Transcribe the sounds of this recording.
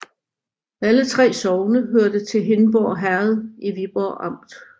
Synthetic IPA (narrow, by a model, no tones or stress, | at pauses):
ælət͡sʰʁɛ̰ːsɒʊnəɦøɐ̰d̥ət͡sʰe̝lɦe̝nb̥ɒ̰ːɦæɐð̞ˠiʋib̥ɒ̰ːʔɑ̈m̰d̥